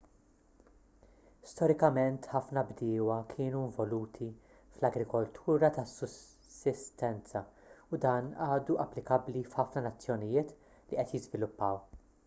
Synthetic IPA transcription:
st̪ɔɾɪkɐmɛnt̪ħɐfnɐbd̪ɪːwɐkʰɪːnuɪɱvɔluːt̪ʰi | flɐɡɾɪkɔlt̪ʰuːɾɐt̪ɐsːʊsː | ɪst̪ɛnt͡sɐʊd̪ɐːnɐːd̪uʔɐpːlɪkɐblifħɐfnɐnɐt͡sːjɔnɪjɪːt̪ | liʔɛt̪jɪzvɪlʊpːɐw

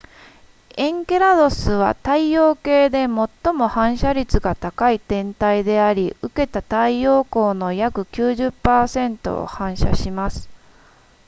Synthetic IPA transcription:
ẽ̞ŋke̞ɾad̪o̞sɨβ̞a̰t̪aio̞ːke̞ːd̪e̞mo̞t̪ːo̞mo̞hãɰ̃ɕaɾʲit͡sɨɡat̪akait̪ẽ̞nt̪aid̪e̞aɾʲiʔɯ̟ke̞t̪at̪aio̞ːko̞ːno̞jakɯ̟kʲɨːʑɨpːaːsẽ̞nt̪o̞̰o̰hãɰ̃ɕa̰ɕimasɨ̥

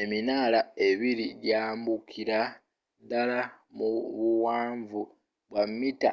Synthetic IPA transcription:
e̞minaːlae̞βiɾiɟaːmbukʰiɾa | dalamuβuwaːɱvu | βwamːita̰

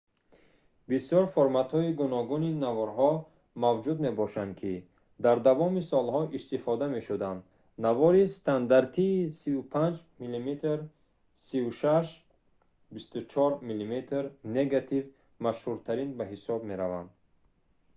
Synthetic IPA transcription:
bisjɔɾfoɾmat̪hɔiɡunɔɡuninavɔɾɦɔ | mavd͡ʒud̪me̞bɔʃand̪kʰi | d̪aɾd̪avɔmisɔlɦɔʔist̪ifɔd̪ame̞ʃud̪and̪ | navɔɾist̪ʰand̪aɾt̪ʰiːsivupʰand͡ʒmilimet̪ɾ | sivuʃaʃ | bist̪ut͡ʃʰɔɾmilimet̪ʰɾneɡat̪ʰiv | maʃhuɾt̪ʰaɾinbaɦisɔbme̞ɾava̰nd̪

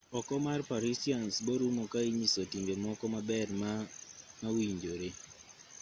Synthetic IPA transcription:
ɔkɔmarpaɾisiansboɾumokaiɲisotiŋɡemɔkɔmabɛrmamawiɲd͡ʒoɾe

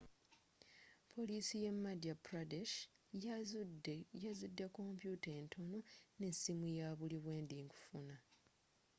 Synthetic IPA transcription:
pʰo̞lisije̞mːadapɾadeʃ | jazidːako̞mpjutentʰo̞none̞simujaβuliβwe̞ːnd̪iŋku̥funa

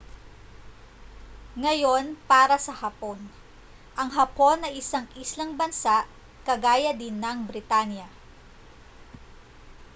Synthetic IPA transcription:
ŋɐjo̞npaːɾɐsɐhɐpo̞n | ʔɐŋɦɐpo̞nːɐʔɪsaŋʔislɐŋbɐnsaʔ | kɐɡaːjɐd̪ɪnːɐŋbɾɪt̪anjɐ

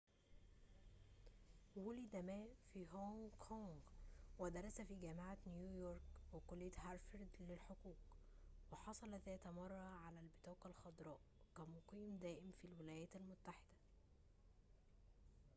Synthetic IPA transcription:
wulid̪æmæːfiːɦoŋkʰoŋɡwed̪ɑɾˤɑsæfiːɡæːmeʕanjuːjoɾˤkwekolːɪjːæt̪hɑɾfeɾd̪lelħoquːq | weħɑsˤɑlɑðæːt̪æmɑrˤːɑʕalælbɪt̪ɑːqɑlxɑd̪ɾˤɑːʔ | kæmoqiːmd̪æːʔɪmfilwɪlæːjæːt̪ælmʊt̪ːaħed̪̥æ̥

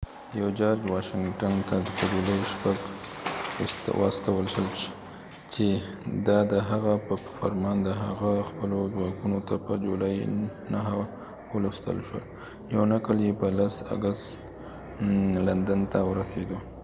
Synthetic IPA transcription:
jawd͡ʒɑɾd͡ʒwɑʃɪŋʈant̪ad̪əpəd͡ʒulɑjʃpaɡ | wʔɑ̰st̪awəlʃəlʃ | t͡ʃe | d̪ɑd̪əɦaɣapəfaɾmɑnd̪əɦaɣaxpəlozwɑkunot̪apəd͡ʒulɑjnaɦa | wələst̪ə̰lʃwə̰l | jawnakəljepəlasa̰ɡast̪ | land̪ənt̪awəɾased̪u

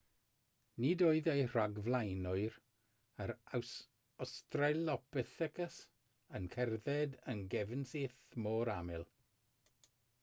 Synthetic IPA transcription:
nidoːɨðejr̥aɡvlˠajnʊɨɾ | əɾaws | ɔstralɔpɛθɛkəs | ənkʰɛrðɛdənɡɛvənseːθmoːɾamɪlˠ

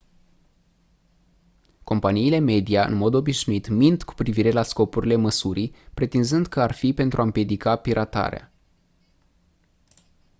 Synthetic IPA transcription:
ko̞mpaniːle̞me̞d̪ijaɨ̰nmo̞d̪o̞biʃnuit̪mint̪ku̥pɾiviɾe̞lasko̞puɾile̞məsuɾijpɾe̞t̪inzɨnd̪kəarfipe̞nt̪ɾʔuaɨmpje̞d̪ikapiɾʔat̪a̰ɾea̰

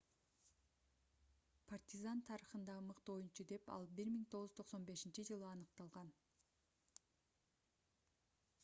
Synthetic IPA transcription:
pʰart̪ʲizant̪ʰɑɾɯχɯnd̪ɑmɯqt̪ojunt͡ʃud̪e̞pɑ̰lˠbiɾmiŋt̪ʰo̞ʁʊz̥t̪ʰo̞qso̞nbe̞ʃint͡ʃid͡ʒɯlˠɯɑnɯqt̪ɑlˠʁɑn

